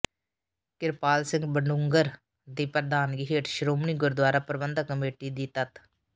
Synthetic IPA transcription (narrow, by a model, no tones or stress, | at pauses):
kɪɾpaːlsɪ̃ŋɡbəɳɖʊŋɡəɾ | d̪iːpəɾd̪aːnɡɪɦeːʈʃɾoːmniːɡʊɾd̪waːɾaːpɾəbənd̪əkːəmeːʈiːd̪iːt̪ət̪